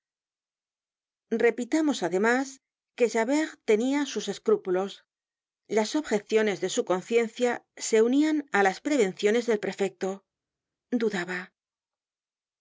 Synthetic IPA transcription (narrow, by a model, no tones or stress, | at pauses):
re̞pit̪amo̞saðe̞mas | ke̞ʃaβeʁt̪e̞niasuse̞skɾupulo̞s | laso̞βxe̞θjo̞ne̞zðe̞suko̞nθje̞nθjase̞unianalaspɾe̞β̞e̞nθjo̞ne̞zðe̞lpɾe̞fe̞k̚t̪o̞ | d̪uðaβa